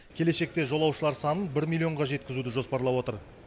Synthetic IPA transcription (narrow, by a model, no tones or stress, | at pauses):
kʲʰe̞le̞ʃe̞k̚t̪e̞ʒo̞lˠɑwʃəlˠɑɾsɑnənbɪɾmʲilʲˠːio̞ɴʁɑʒe̞t̪̚kʲɪzud̪ɪʒo̞spɑɾlˠɑwo̞t̪əɾ